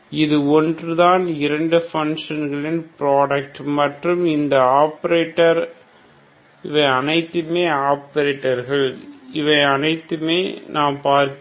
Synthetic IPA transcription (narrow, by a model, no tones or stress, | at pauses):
ɪðɯɔndrɯðaːnɪɾɐɳɖɯfɐŋʂɐnɣɐɭɪnpɪɾaːɽɐk̚ʈmɐʈrɯmɪnd̪ɐaːpɐɾeːʈːɐɾ | ɪʋɐɪɐnɐɪt̪ːɯmeːaːpɐɾeːʈːɐɾɣɐɭɪʋɐɪɐnɐɪt̪ːɯmeːnaːmpaːɾk